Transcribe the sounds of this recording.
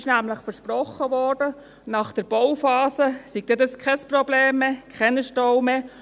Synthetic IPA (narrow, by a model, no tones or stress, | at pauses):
ʃnæmləχfəɾʃprɔχːəʋɔrd̥ə | nɑχd̥əɾb̥ɔwfɑːsəsiɡ̚d̥̪ɛdɑskʰɛsprɔbleːmːekʰɛnəʃtɔwme